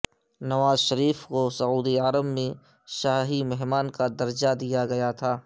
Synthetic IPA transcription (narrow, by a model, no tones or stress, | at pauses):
nɐʋaːzʃɐɾiːfkosɐuːd̪iaɾəbmẽ | ʃaːɦimɛɦmaːnkad̪ɐɾd͡ʒad̪ijaɡɐjat̪ʰaː